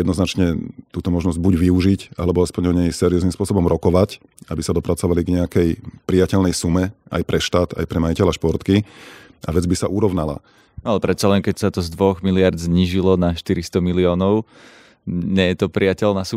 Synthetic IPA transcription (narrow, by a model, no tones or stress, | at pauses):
jɛd̪nɔznat͡ʃɲɛt̪uːt̪ɔmɔʒnɔzɟ̚buɟʋiuʒica̰lɛbɔaspɔɲɔɲɛjsɛɾiɔznimspʊɔsɔbɔmɾɔkɔʋac | abisad̪ɔpɾat͡sɔʋaliɡɲɛakɛjpɾijacɛlnɛjsumɛʔa̰jpɾɛʃt̪aːt̪a̰jpɾɛmajicɛlaʃpɔɾt̪ki | ʔa̰ʋɛd͡zbisaʔuɾɔʊnala̰ | nalɛpɾɛt̪t͡salɛŋkɛcsat̪ɔzd̪ʋɔɣmilɪaɾd̪zɲiːʒilɔnaʃt̪iɾist̪ɔmiliɔːnɔʊ | ɲɛjɛt̪ɔpɾiacɛlnasu